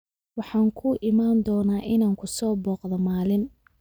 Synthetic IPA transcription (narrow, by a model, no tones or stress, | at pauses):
wɑħɑːŋkʰʊʔɪmaːnd̪ɔːnaːʔɪnaːŋkʰʊsɔːbɔːqðɐmaːlɪn